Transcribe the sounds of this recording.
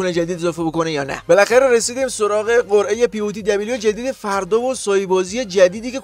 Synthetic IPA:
uned͡ʒæd̪id̪ezɒːfeboko̞nejɒːnæ̰be̞læxæɾeɾesiːd̪iːmso̞ɾɒːɣe̞ɢoɾʔe̞je̞piuːt̪ʰid̪æbiːlod͡ʒæd̪iːd̪efæɾd̪ɒvosɒːjbɒːziːje̞d͡ʒæd̪iːd̪iːce̞

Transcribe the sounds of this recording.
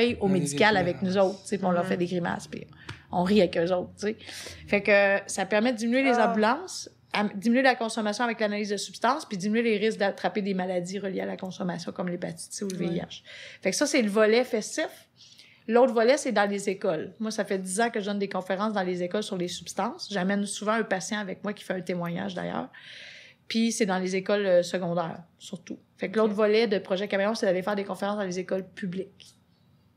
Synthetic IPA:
ɛjomed͡zikʲalavɛk̚nuzoʊt̪χt̪t͡sepiɔ̃lœʁfɛd̪eɡʁima̰spḭ | ɔ̃ʁiavɛkøzoʊt̪χt͡sefɛkəsapɛʁmɛd̪əd̪iminyelezɑ̃bylɑ̃s | ad̪iminɥelakɔ̃sɔmasjɔ̃avɛklanaliːzd̪əsypst̪ɑ̃spid̪iminyeleʁɪsk̚d̪at̪ʁaped̪emalad͡ziʁəljealakɔ̃sɔmasjɔ̃kɔmlepat̪i̥seuləvjeia̰ʃfɛksʌseləvɔlɛfɛst̪ɪf | loʊt̪χvɔlɛsɛd̪ɑ̃lezekɔlmwasafɛd̪izɑ̃kəʒəd̪ɔnd̪ekɔ̃feʁɑ̃sd̪ɑ̃lezekɔlsyʁlesypst̪ɑ̃sʒamɛnsuvɑ̃ɛ̃pasjɑ̃avɛk̚mwakʲi̥fɛɛ̃t̪emwaɲa̰ːʒd̪a̰jœ̰ːʁ | pisɛd̪ɑ̃lezekɔløsəɡɔ̃d̪ɛ̰ːʁsyʁt̪u | fɛkloʊt̪χvɔlɛd̪əpχɔʒɛkameʁɔ̃sed̪alefɛːʁd̪ekɔ̃feʁɑ̃sd̪ɑ̃lezekɔlpʰyblɪk

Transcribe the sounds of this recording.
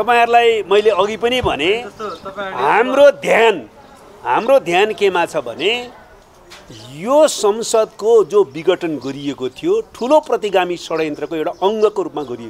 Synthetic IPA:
t̪ʌpaĩɦʌɾulajmʌjleʌɡipʌnibʱʌ̰ne | ɦamrod̪ʱjan | ɦa̰mrod̪ʱjankemat͡sʰʌbʱʌ̰ne | josʌmsʌd̪kod͡zobiɡʌʈʌnɡʌɾiekot̪ʰijoʈʰuloprʌt̪iɡamisʌɽʌjʌnt̪rʌkoewʈaʔʌŋɡʌkoɾupmaɡʌɾieko

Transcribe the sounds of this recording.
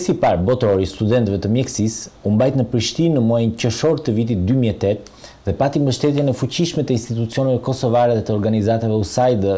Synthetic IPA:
sipaɾbɔt̪ɾɔɾist̪ud̪ɛnt̪vɛt̪əmjɛksisumbajt̪nəpɾiʃt̪inːəmɔajnt͡ɕəʃɔɾt̪əvit̪̬it̪̚d̪ymiɛt̪ɛt̪̚ | ðɛpat̪imbəʃt̪ɛt̪̬jɛnɛfut͡ɕiʃmɛt̪əinst̪it̪ut͡siɔnɛvɛkɔsɔvaɾɛðɛt̪əɔɾɡanizat̪avɛusajd̪ə

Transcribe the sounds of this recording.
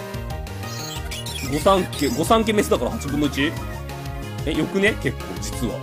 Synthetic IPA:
ɡo̞sãŋkeɡo̞sãŋk̬eme̞s̬ɨd̪akaɾahat͡ɕibɯmɯt͡ɕi | ejo̞kɯ̟neke̞kːoːd͡ʑi̥t͡sɨβa̰

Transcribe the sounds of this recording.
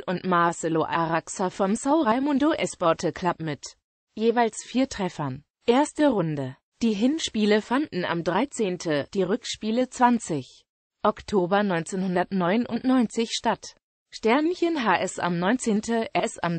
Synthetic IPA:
ʔʊntmaɐsəloʔaʁaksafɔmsaʊʁaɪmʊndoʔɛsb̥ɔɐtʰəkʰl̥apmɪt | jeːvaɪlsfiːɐtʁ̥ɛfɐn | ʔeːɐstəʁʊndə | d̥iːɦɪnʃpiːləfandn̩a̰mdʁaɪt͡seːntʰəd̥iːʁʏkʃpiːlət͡sv̥ant͡sɪç | ʔɔktʰoːbɐnɔʏnt͡seːnhʊndɐtnɔʏnʔʊntnɔʏnt͡sɪçʃtat | ʃtɛɐnnçənɦaːʔɛsʔa̰mnɔʏnt͡seːntəʔɛsa̰m

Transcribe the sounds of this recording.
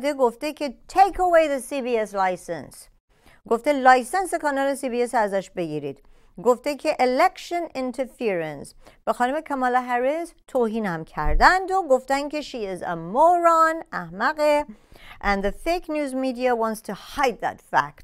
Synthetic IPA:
d̪eɡoft̪ekʰet̪ʰejkʰowejðesibieslajsḛns | ɡoft̪elɑjsensekɑnɑlesiːbiesæzæʃbeɡiɾḭd̪̥ | ɡoft̪ekʰeʔelekʃonɪ̃nt̪ʰeɾfiɾẽns | b̥exɒːnume̞kʰæmɒlɑɦæɾezt̪ʰoːhiːnhæmkʰæ̰ɾd̪ænd̪oɡoft̪ænd̪kʲeʃiɪzæ̰moɾɑnæhmæɣeʔæ̃nðefejknjuːzmiːd̪iawɑ̃ːnt̪st̪ʰuhɑjd̪̚ðæ̰t̪fæ̰k̚t̪

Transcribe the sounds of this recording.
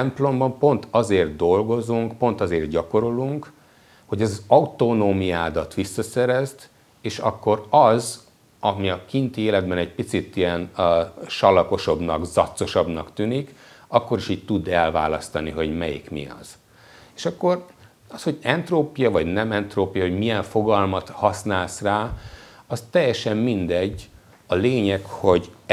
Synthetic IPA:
mplo̞mbɒmpo̞nt̪ʰɒzeːrt̪̚d̪o̞lɡo̞zuŋkpo̞nt̪ɒzeːrd̪ɟɒko̞ɾoluŋk | ho̞ɟɛzɒzɒut̪onoːmijaːd̪ɒt̪ʋisːɒsɛɾɛzt̪ | eːʃɒkːo̞ɾɒz | ɒmiɒkint̪eːlɛd̪bɛnɛɟ̚pit̪sit̪ijɛnʃɒlɒko̞ʃo̞bnɒ̰ɡzɒt̪so̞ʃɒbnɒkt̪yːnikɒkːo̞ɾiʃiːɟ̚t̪ud̪ɛlva̰ːlɒst̪ɒniɦo̞ɟmɛjḭkmḭɒ̰z̥ | eːʃɒkːo̞r | ɒsho̞ɟɛnt̪roːpijɒvɒɟnɛmɛnt̪roːpijɒhoɟmijɛɱfo̞ɡɒlmɒt̪hɒsnaːlsraːɒst̪ɛjːɛʃɛmmind̪ɛɟː | ɒleːɲɛkho̞ɟ

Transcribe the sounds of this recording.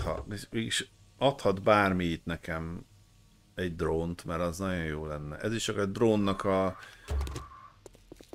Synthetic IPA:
hɒ̰veːɡiʃɒt̪hɒd̪baːrmijit̪nɛkɛm | ɛɟd̪roːnt̪mɛɾɒznɒɟo̞joːlɛnːɛ̰ʔɛziʃt͡ʃɒkɛd̪roːnːɒkɒ

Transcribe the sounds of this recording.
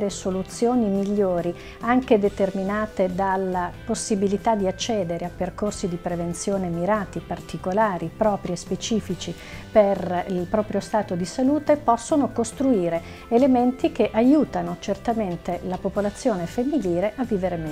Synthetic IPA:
ɾesolut̪sːjoːnimiʎːoːɾi | aŋked̪et̪erminaːt̪ed̪alːaposːibilit̪ad̪iat͡ʃːɛːd̪eɾeapːerkorsid̪ipɾevent̪sjoːnemiɾaːt̪ipart̪ikolaːɾipɾɔːpɾiespet͡ʃiːfit͡ʃi | perilpɾɔːpɾjost̪aːt̪od̪isaluːt̪epɔsːonokost̪ɾuiːɾe | element̪ikeʔajuːt̪anot͡ʃert̪ament̪elapopolat̪sːjoːnefemːiliːɾeʔavːiːveɾemɛ

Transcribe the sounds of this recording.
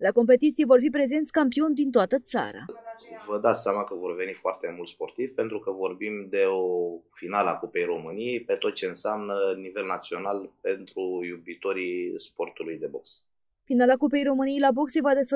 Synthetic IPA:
lako̞mpe̞t̪it̪sijevo̞rfipɾe̞ze̞nt̪sʲkampio̞nʲd̪int̪oat̪ət̪sa̰ɾa̰vəd̪at̪seamakəvo̞rve̞nifoart̪e̞mult̪spo̞rt̪iv̥pent̪ɾukəvo̞rbimd̪e̞ofinalakupe̞jɾo̞mɨnijejpe̞t̪o̞t̪̚t͡ʃe̞ɨnsamnənive̞lnat̪sio̞nalpe̞nt̪ɾujubit̪o̞ɾispo̞rt̪ulujd̪e̞bo̞ks | finalakupe̞jɾo̞mɨnijejlabo̞ksevad̪e̞sf

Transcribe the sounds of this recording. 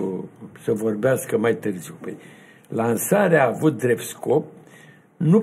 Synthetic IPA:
səvo̞rbeaskəmajt̪ɨrziwpəj | lansaɾeaːvut̪̚d̪ɾe̞pt̪sko̞p̚ | nu

